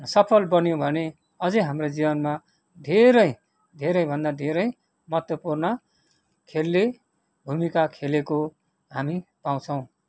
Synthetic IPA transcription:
sʌpʰʌlbʌnjõbʱʌne | ʌd͡zʌjɦamrod͡zibʌnma | d̪ʱeɾʌj | d̪ʱeɾʌjbʱʌnd̪ad̪ʱeɾʌj | mʌt̪wʌpurnʌ | kʰelːe | bʱumikakʰeleko | ɦamipaw̃t͡sʰʌw̃

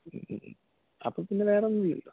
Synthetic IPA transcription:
ɐ̰pːoːpinːeʋe̞ːrenːilːḭlːo

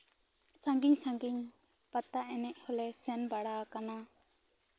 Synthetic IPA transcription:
sãŋɡiɲsãŋɡiɲ | pat̪aʔɛnɛc̚hɔlɛsɛnbaɽakana

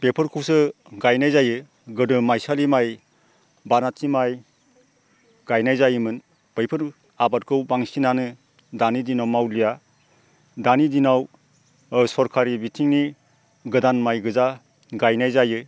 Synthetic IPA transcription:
b̥epʰɯɾkʰuwsɯ | ɡajnajzajɯ | ɡɯdɯmajsalimaj | banatʰimaj | ɡajnajzajɯmɯn | b̥ɯjpʰɯɾ | abat̚kʰɯwbaŋsinanɯ | danidinawmawlija | danidinaw | sɔɾkʰaɾibitʰiŋni | ɡɯdanmajɡɯza | ɡajnajzajɯ

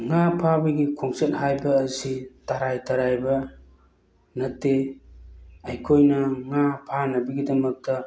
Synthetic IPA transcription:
ŋapʰabiɡikʰoŋset̚hajbɐːsitaɾajtaɾajbɐ | nɐtːe | ɐjkʰojnɐŋapʰanɐbiɡidɐmɐk̚tɐ

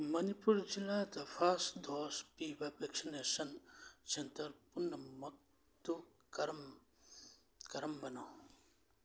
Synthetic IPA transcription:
mɐnipuɾd͡ʒilːat̪ɐpʰasd̪ʱoːspibapeksinesɐnt͡ʃent̪ɐɾpunːɐmɐk̚ | t̪ukɐɾm | kɐɾɐmbɐnoː

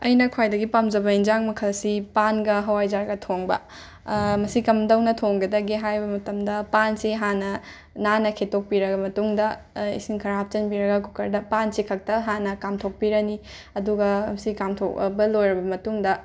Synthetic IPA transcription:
ɐ̰jnɐkʰwajdɐɡipamd͡ʒɐbɐind͡ʒaŋmɐkʰɐlsipanɡɐɦɐwajd͡ʒaɾɡɐtʰoŋbɐ̰ | mɐsikɐmdɐwnɐtʰoŋɡɐdɐɡiɦajbɐmɐtɐmdɐpansiɦanɐ | nanɐkʰetok̚piɾɐɡɐmɐtuŋdɐ | ḭsiŋkʰɐɾaap̚t͡ʃɐnbiɾɐɡɐkukɐɾdɐpansikʰɐk̚tɐɦanɐkamtʰok̚piɾɐni | ɐduɡɐɐsikamtʰo̰kbɐlojɾɐbɐmɐtuŋdɐ

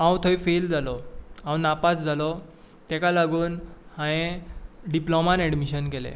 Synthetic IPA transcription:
ãwt̪ʰoifeld͡zalɔãwnapasd͡zalɔ | t̪ɛkalaɡuːnhãjẽɖiplɔmanɛɽmiɕənkɛlḛ

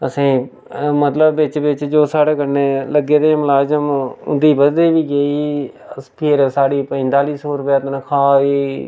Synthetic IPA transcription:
əsĩː | mət̪ləbːɪt͡ʃʋɪt͡ʃd͡ʒoːsaːɽeːkəɾneːləɡeːd̪eːmʊlaːd͡ʒəmʊ̰nd̪iːbədd̪eːʋiːɡeiː | pʰɪɾsaːɽiːpə̃nt̪aːliːsɔːɾʊpjaːt̪nəkʰaːiː

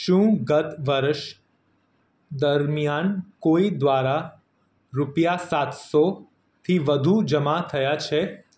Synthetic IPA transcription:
ʃũɡət̪ʋəɾʃ | d̪əɾmijankoid̪ʋaɾa | ɾupjasat̪so | t̪ʰiʋəd̪ʱud͡ʒəmat̪ʰəjat͡ʃʰe

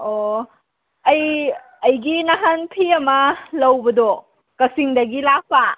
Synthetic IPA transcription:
o | ɐj | ɐjɡinaɦanpʰiɐmɐlɐwbɐdo | kɐsiŋdɐɡilak̚pa

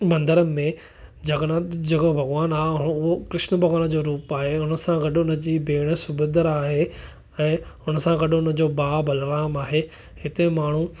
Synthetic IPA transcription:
bɐ̃nd̪əɾəmẽ | d͡ʑɐɡnad͡ʑɐɡəbʱɐɡʋaːnaːɦʊʊɦokɾɪʃnəbʱɐɡʋaːnd͡ʑoːɾuːpaːɦeʊnə̆sãɡɐɗʊnə̆d͡ʑiːbeːɽ̃ə̆sʊbʊd̪əɾaːɦe | ɛ̃ːʊnə̆sãɡɐɗʊnə̆d͡ʑoːbaːbʱɐlɾaːmaːɦe | hɪt̪emaːɳ̤ũ

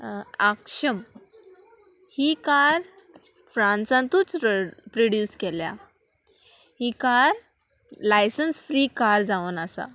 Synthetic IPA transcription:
akʂəm | hikaɾfɾãnsãnt̪uːt͡spɾoɽjuːskɛlja̰ | hikaɾlajsənsfɾiːkaɾd͡zaʋənasa̰

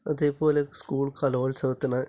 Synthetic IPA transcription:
ɐðepoːleskuːɭkɐloːɭsɐːt̪ːɐna

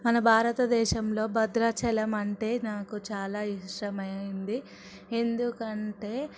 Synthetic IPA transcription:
mɐnɐbʱaːɾɐt̪ɐd̪ɛːʃɐmlo̞ːbɐd̪ɾɐt͡ʃɛlɐmɐɳʈe̞ːnaːkut͡ʃaːlaːiʂɾɐmɐjind̪i | e̞nd̪ukɐɳʈe̞ː

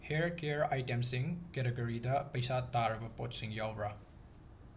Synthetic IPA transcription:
heɾkeɾajtemsiŋkeɾeɡoɾidɐpɐjsataɾɐbɐpot̚siŋjawɾɐ

